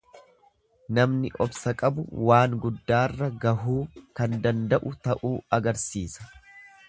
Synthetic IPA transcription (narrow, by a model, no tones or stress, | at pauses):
nɐmnɪʔɔbsɐkʼɐbʊ̰waːŋɡʊd̪ːaːrːɐɡɐɦuːkɐnd̪ɐnd̪ɐʔʊt̪ɐʔuːɐɡɐɾsiːsɐ̥